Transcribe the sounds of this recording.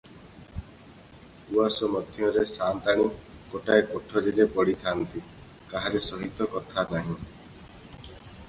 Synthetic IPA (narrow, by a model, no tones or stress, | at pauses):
uasɔmɔd̪ʱjɔɾesant̪aɽ̃ikoʈaepoʈʰɔɾilepɔɽit̪ʰant̪i | kaɦaɾesɔɦit̪ɔkɔt̪ʰanaɦĩ